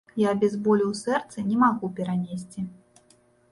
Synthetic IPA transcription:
jabʲɛzbɔlʲuwsɛrt̪sɨnʲɛmaɣupʲɛɾanʲesʲt͡sʲi

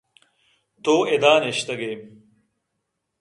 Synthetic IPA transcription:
t̪oːed̪aːneɕt̪ɐɡeː

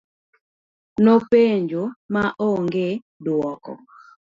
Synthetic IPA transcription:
nopeɲd͡ʒomaʔoŋɡe | dwɔkɔ̰

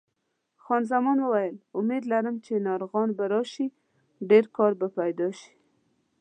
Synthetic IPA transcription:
xɑnzamɑnwəwajəlʊmed̪laɾəmt͡ʃenɑɾɣɑnbaɾɑʃi | ɖeɾkɑɾbapajd̪ɑʃi̥

